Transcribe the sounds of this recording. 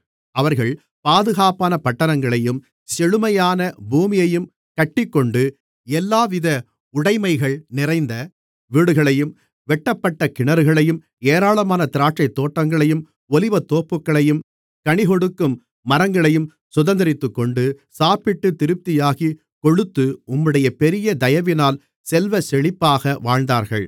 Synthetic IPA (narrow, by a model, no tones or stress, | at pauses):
ɐʋɐɾɣɐɭ | paːðɯɣaːpaːnɐpɐʈːɐnɐŋɡɐɭɐjɯm | sɛɻɯmɐjaːnɐbuːmɪjɐjɯm | kɐʈːɪkːɔɳɖɯ | ɛlːaːʋɪðɐ | ʊɽɐɪmɐɪɣɐɭnɪrɐɪnd̪ɐ | ʋiːɽɯɣɐɭɐjɯm | ʋɛʈːɐpːɐʈːɐkɪɳɐɾɯɣɐɭɐjɯm | eːɾaːɭɐmaːnɐt̪ɪɾaːʈt͡ʃɐɪt̪ːoːʈːɐŋɡɐɭɐjɯm | ɔlɪʋɐt̪ːoːpːɯkːɐɭɐjɯm | kɐɳɪɣɔɽɯkːɯmː | ɐɾɐŋɡɐɭɐjɯm | sʊðɐnd̪ɐɪɾɪt̪ːɯkːɔɳɖɯsaːpɪʈːɯt̪ːɪɾɯp̚t̪ːɪjaːɣi | kɔɻɯt̪ːɯʊmːɯɽɐjɐpɛɾɪjɐd̪ɐjɐʋɪnaːl | sɛlʋɐsɛɭɪpːaːɣɐʋaːɻnd̪aːɾɣɐ̰ɭ